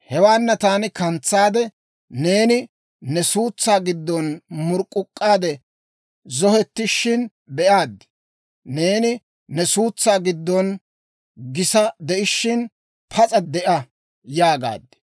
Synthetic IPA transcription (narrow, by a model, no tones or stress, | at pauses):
hɛwaːnːɐt̪aːnɪkɐnt͡sːaːd̪ɛ | ne̞ːnɪ | nɛsuːt͡sːaːɡɪd̪ːɔnmʊɾkʼːʊkʼːaːd̪ɛ | zɔhɛt̪ːɪʃːɪn | bɛʔaːd̪ːɪ̥ | ne̞ːnɪ | nɛsuːt͡sːaːɡɪd̪ːɔn | ɡɪsɐd̪ɛʔɪʃːɪn | pʰɐt͡sʼɐd̪ɛʔɐ | jaːɡa̰ːd̪ːɪ̥